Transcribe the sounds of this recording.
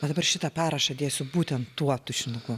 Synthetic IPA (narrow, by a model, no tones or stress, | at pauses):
ɐd̪ɐbɐrʃʲɪt̪ɐpʲæːɾɐʃɐːd̪ʲeːsʲʊbuːt̪ʲɛnt̪ːuɔt̪ʊʒʲɪnʊɡʊ